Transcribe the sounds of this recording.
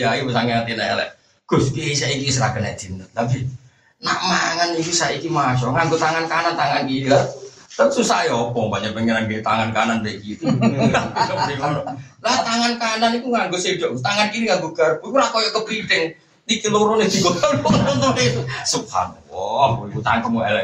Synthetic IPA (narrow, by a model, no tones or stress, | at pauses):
jakuwesaŋeat̪inaja̰lɛ̰ | ɡ̥ʊskiisaʔikisəɾa̰ɡəna̰d̪̥i̤nət̪̚labi | naʔmaŋanikusaikimaʃɔŋaŋɡot̪aŋankanant̪aŋankinila | lapsusajɔpɔŋbaɲapəŋəɾanɡet̪aŋankananbekit̪uakuadikanɔlat̪aŋankananikuŋaŋɡosed̥ɔʔɡt̪aŋankiɾiŋaŋɡoɡ̥arukuɾakojɔʔkəbɾid̪ɛŋ | dikiloɾoned̪̥iɡɔt̪ɔnɔɔnt̪ɔnet̪usukha̰nwɔamkuikut̪aŋankəmuɛ̰lɛ